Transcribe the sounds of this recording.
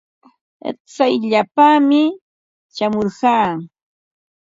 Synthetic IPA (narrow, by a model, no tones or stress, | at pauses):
t͡sajʎapamɪ | t͡ʃamoɾɢɑː